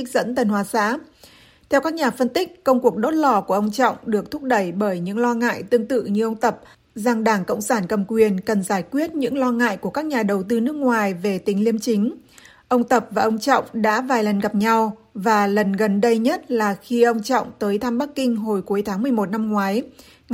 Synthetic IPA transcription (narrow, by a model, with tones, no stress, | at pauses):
i˦˥k̚zə̰˧˥nt̪ə˨˩nɦwaː˨˩sa̰ː˧˥ | t̪ʰɛ˧wkaː˦˥k̚ɲaː˨˩fə˧nt̪ï˦˥k̟̚kə˧wŋ͡mku˨˩ək̚ɗo˦˥t̚lɔ˧˩ku˧˩əʔə˧wŋ͡mt͡ɕɔ̰˧˨wŋ͡mɗɨ˨˩ək̚t̪ʰʊ˦˥p̚ɗə˧˩jɓəː˧˩jɲɨ̰˧˥ŋlɔ˧ŋa̰ː˧˨jt̪ɨ˧əŋt̪ɨ̰˧˨ɲɨ˧ʔə˧wŋ͡mt̪ə˨˩p̚ | za˨˩ŋɗaː˧˩ŋkə̰˧˨wŋ͡msaː˧˩nkə˨˩mkwi˨˩ənkə˨˩nzaː˧˩jkwi˦˥ət̚ɲɨ̰˧˥ŋlɔ˧ŋa̰ː˧˨jku˧˩əkaː˦˥k̚ɲaː˨˩ɗə˨˩wt̪ɨ˧nɨ˦˥ək̚ŋwaː˨˩jve˨˩t̪ï˨˦ŋ̟li˧əmt͡ɕï˨˦ŋ̟ | ʔə˧wŋ͡mt̪ə˨˩p̚vaː˨˩ʔə˧wŋ͡mt͡ɕɔ̰˧˨wŋ͡mɗa̰ː˧˥vaː˨˩jlə˨˩nɣa˨˩p̚ɲa˧w | vaː˨˩lə˨˩nɣə˨˩nɗə˧jɲə˦˥t̚laː˨˩xi˧ʔə˧wŋ͡mt͡ɕɔ̰˧˨wŋ͡mt̪əː˨˦jt̪ʰa˧mɓa˦˥kːï˧ŋ̟ɦo˨˩jku˨˦jt̪ʰaː˨˦mɨ˨˩əjmo˨˩t̚na˧mŋwaː˨˦j